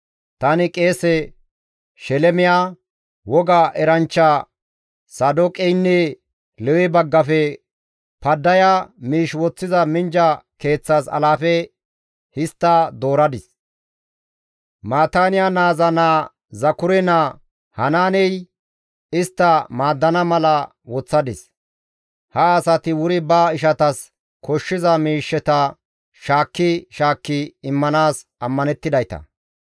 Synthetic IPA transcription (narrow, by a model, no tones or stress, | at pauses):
t̪ɐnɪkʼe̞ːsɛ | ʃɛlɛmɪjaː | wɔɡaːʔɛɾɐnt͡ʃːa | sɐd̪ɔkʼɛjnːɛ | lɛwɛbɐɡːɐfɛ | pɐd̪ːɐjamiːʃwɔt͡sːɪzɐmɪnd͡ʒɐke̞ːt͡sːasɐ̰laːfɛ | hɪst̪ːad̪o̞ːɾɐd̪ɪs | maːt̪aːnɪjanaːzɐnaː | zɐkʊɾɛna | hɐnaːnɛj | ɪst̪ːɐmaːd̪ːɐnɐmɐlɐ | wɔt͡sːɐd̪ɪs | hɐːsɐt̪ɪwʊɾɪbaːɪʃɐt̪ɐs | kɔʃːɪzɐmiːʃːɛt̪ɐ | ʃaːkːɪʃaːkːɪɪmːɐnaːsɐmːɐnɛt̪ːɪd̪ɐjt̪ɐ̰